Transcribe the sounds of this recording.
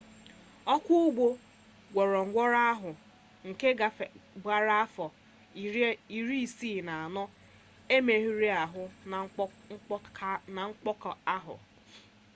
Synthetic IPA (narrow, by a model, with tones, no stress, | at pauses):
ɔ˦kʷʊ˦ʊ˦ɡ͡bo˦ | ɡʷɔ˨ɾɔ˨ŋ̩˨ɡʷɔ˦ɾa˦a˦ɦʊ˨ | ŋ̩˨ke˦ɡa˨ɡ͡ba˨ɾa˦a˦fɔ˨ | i˨ɾi˦i˨siː˦˨na˨a˨nɔ˦ | e˦me˨ɦi˦ɾi˦a˨ɦʊ˦˨˦ | na˨ŋ̩˦k͡pɔ˦kɔ˨a˦ɦʊ̰˨